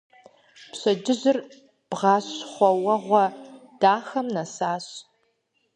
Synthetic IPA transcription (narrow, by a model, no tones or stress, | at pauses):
pɕɐd͡ʒɪʑɪr | b̥ʁɑːɕχʷɔwɐʁʷɔd̥aːxɐmnɐsaːɕ